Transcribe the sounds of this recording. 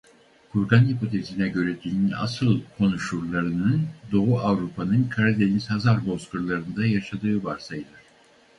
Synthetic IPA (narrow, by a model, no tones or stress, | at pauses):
kʰuɾɡanhipo̞t̪ʰe̞zinɛɟø̞ɾɛd̪inyna̰sɯlˠkʰo̞nuʃuɾlˠaɾɯnɯnd̪o̞uʔavɾupʰanɯnkʰaɾad̪e̞nisazaɾbo̞skuɾlˠaɾɯnd̪ajaʃad̪ɯːbaɾsajd̪ɯɾ̥